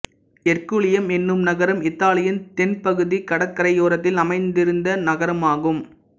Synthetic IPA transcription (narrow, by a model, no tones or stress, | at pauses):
ɛrkuɭɪjɐmɛnːɯmnɐɣɐɾɐmɪt̪ːaːlɪjɪnt̪ɛnpɐɣɯðikɐɽɐkːɐɾɐɪoːɾɐt̪ːɪlɐmɐɪnd̪ɪɾɯnd̪ɐnɐɣɐɾɐmaːɣɯm